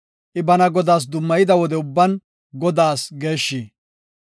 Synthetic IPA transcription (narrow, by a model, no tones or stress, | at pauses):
ʔɪbɐnɐɡɔd̪aːs̬d̪ʊmːɐjɪd̪ɐwɔd̪ɛʊbːɐn | ɡɔd̪aːsɡe̞ːʃːiː